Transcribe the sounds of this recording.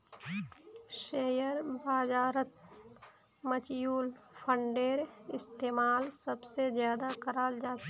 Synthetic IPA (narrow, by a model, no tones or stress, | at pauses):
ʃeːjəɾbaːd͡ʒaːɾət̪̚ | mət͡ʃjuːlpʰə̃ɳɖeːɾɪst̪eːmaːlsəbsezjaːd̪akəɾaːld͡ʒaːt͡ʃ